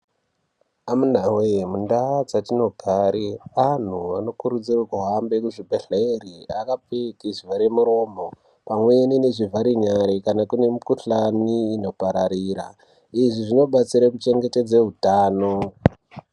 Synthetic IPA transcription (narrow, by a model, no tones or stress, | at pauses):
amun̤awejemundad͡zatino̞ɡʱaːɾian̤uano̞kuɾud͡zirwakuɦambe̞kuʐibʱeɬeriakap͡fekiʐivaɾemuɾo̞ːmo̞ | pamwe̞enine̞ʐivʱaɾiɲaɾikanakune̞mikuɬaniːno̞paɾaɾiːɾa̰ | iʐiʐino̞ɓat͡siɾakut͡ʃe̞ŋɡe̞te̞d͡zeɦutaːno̞